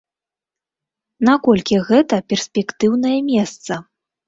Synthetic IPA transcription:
nakɔlʲkʲiɣɛt̪ɐpʲɛrsʲpʲɛkt̪ɨwnɐjɐmʲɛst̪sɐ

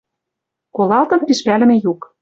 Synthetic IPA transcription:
kolɑlt̪ɤ̆mpiʃpælɘ̆mĕjuk

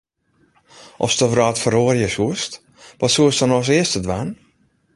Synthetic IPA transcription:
ʔɔfstəvraːtfəɾoːrjəsuəst | ʋɔtsuəstənɔs̬ɪəstədʋan

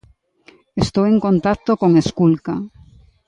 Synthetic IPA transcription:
est̪oweŋkont̪ak̚t̪okoŋeskulka

